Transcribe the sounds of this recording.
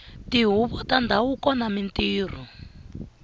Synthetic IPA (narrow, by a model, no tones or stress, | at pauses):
tiɦuβɔtandʱaukɔnamintiːr̤u